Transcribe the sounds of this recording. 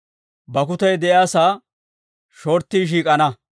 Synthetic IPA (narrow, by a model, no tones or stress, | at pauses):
bɐkʊt̪ɐjd̪ɛʔjaːsaː | ʃoːɾt̪ːiːʃ̬iːkʼɐnɐ